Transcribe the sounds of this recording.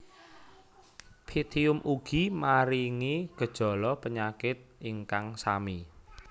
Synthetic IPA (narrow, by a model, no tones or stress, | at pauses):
pʰit̪ʰiʊmʔuɡ̥imaɾiŋiɡ̥ə̤d̥ʒ̥ɔ̤lɔpəɲakɪt̪̚iŋkaŋsa̰mi